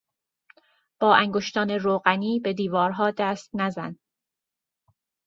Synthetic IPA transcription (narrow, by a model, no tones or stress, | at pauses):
b̥ɒːʔæŋɡoʃt̪ʰɒːne̞ɾoːɣæniːbe̞d̪iːvɒːɾɦɒːd̪æːst̪næzæn